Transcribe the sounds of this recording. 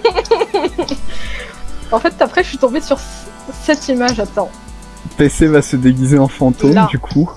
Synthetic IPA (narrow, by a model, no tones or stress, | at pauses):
ɑ̃fɛt̪apχɛəʃɥit̪ɔ̃besyʁ | sɛt̪ʰimaʒat̪ɑ̃ | pesevasəd̪eɡʲizeɑ̃fɑ̃t̪omd̪ykʰu